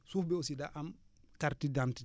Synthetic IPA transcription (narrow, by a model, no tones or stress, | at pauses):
sufbɛosidaʔamkaɾtidanti